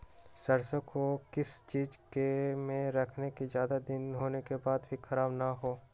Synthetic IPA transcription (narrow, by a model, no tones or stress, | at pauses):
sɐɾsəkʰokɪst͡ʃiːd͡ʒkemẽɾɐkʰnekizjaːd̪ad̪ɪnɦoːnekebaːd̪bʱikʰɐɾaːbnaɦoː